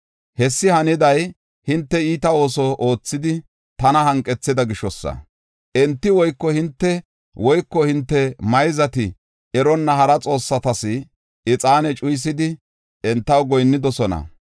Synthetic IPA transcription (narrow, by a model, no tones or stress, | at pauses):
hɛsːɪhɐnɪd̪ɐj | hɪnt̪ːɛiːt̪ɐo̞ːsɔʔo̞ːt͡sːɪd̪ɪ | t̪ɐnɐhɐŋkʼːɛt͡sːɪd̪ɐɡɪʃɔsːɐ̰ | ʔɛnt̪ːɪwɔjkːɔhɪnt̪ːɛ | wɔjkːɔhɪnt̪ːɛmɐjzɐt̪ɪ | ɛɾɔnːɐhɐɾɐt͡sʼo̞ːsːɐt̪ɐsɪ | ɪt͡sʼaːnɛt͡ʃʼʊjs̬ɪd̪ɪ | ɛnt̪ːɐwɡɔjnːɪd̪ɔsɔnɐ̰